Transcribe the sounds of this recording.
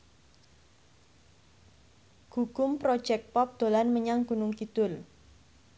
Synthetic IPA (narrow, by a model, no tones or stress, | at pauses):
ɡ̥ukʊmpɾɔ̥d͡ʒɛk̚pɔp̚d̪̥o̤lanməɲaŋɡ̥unʊŋkit̪ʊl